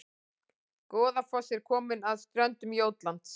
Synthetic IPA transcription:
kɔːðafɔsɛɾ̥kʰɔːmɪnaðst̪ɾœnt̪ʏmjoːwt̪lant̪s

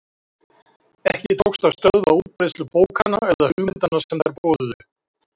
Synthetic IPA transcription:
ɛhcɪt̪ʰowkst̪avst̪œðvauːt̪̚pɾest̪lʏpoːwkʰanaɛðahʏɣmɪnt̪anasɛmðɛɾpoːwðʏðɪ

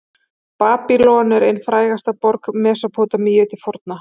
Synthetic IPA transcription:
paːpilɔːnɛɾejnfɾaːjɣast̪apɔɾkmɛːsapʰoːt̪amijœt̪ɪfɔɾt̪na

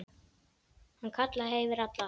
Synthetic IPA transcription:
hankʰat̪laɦeːjvɪɾat̪la

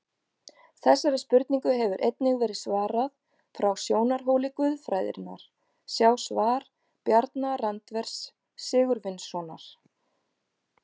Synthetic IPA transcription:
θɛsːaɾɪspʏɾt̪niŋkʏɦɛvʏɾʔejt̪̚nɪɣvɛːɾɪðsvaːɾað | fɾawsjoːwnaɾ̥ɦoːwlɪkvʏðfɾaːjðɪ̰ɾɪnːa̰ɾ̥ | sjaːwsvaːɾ̥ | pjaɾt̪narant̪vɛɾ̥sː | ɪːɣʏɾvɪnsɔna̰ɾ̥

